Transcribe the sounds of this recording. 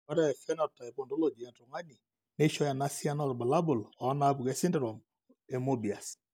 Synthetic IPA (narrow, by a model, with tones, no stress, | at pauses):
ɔ˦ɾɛ˦˨fɛ˦nɔ˨ɾta˨i˨bo˨ndo˦lo˦˨d͡ʒi˨ɛ˨nɾo˨ŋa˦ni˨ | ne˦ʃɔ˦ja˨na˦si˦a˦nɔ˦ɾba˨la˦bu˨lɔ˨˦na˦bu˨ɡe˦si˦ndɾɔ˨m | e˨mo˦bi˨a˨s